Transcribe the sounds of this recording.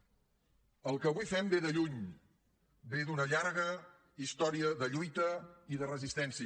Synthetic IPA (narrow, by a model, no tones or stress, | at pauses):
əlˠkəβuifɛmbeðəʎuɲ | beðunəʎaɾɣə | ist̪ɔɾiəðəʎujt̪əiðərəzist̪ɛnsi